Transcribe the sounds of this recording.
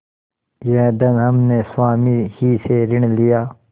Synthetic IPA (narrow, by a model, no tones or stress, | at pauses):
jeːd̪ɐnɦɐmneːsaːmiːhiːseɾɪɳlijaː